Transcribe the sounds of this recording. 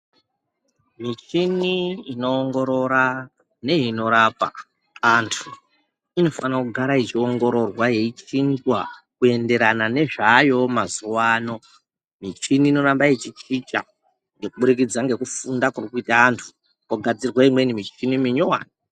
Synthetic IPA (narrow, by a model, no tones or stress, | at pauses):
mit͡ʃiniino̞ːŋɡo̞ɾo̞ɾa | ne̞ino̞ɾapa̰ː | ntʰu | ino̞fanakuɡʱaɾait͡ʃio̞ŋɡo̞ɾo̞rwaje̞it͡ʃinzwakue̞nde̞ɾanane̞ʐajo̞mazuwano̞ | mit͡ʃiniːno̞ɾambaet͡ʃit͡ʃit͡ʃa̰ | ŋɡe̞kuɓuɾik̬id͡zaŋɡe̞kufundakurikuitaːntʰu̥ | koɡʱad͡zirwaimwenimit͡ʃinimiɲowa̰ni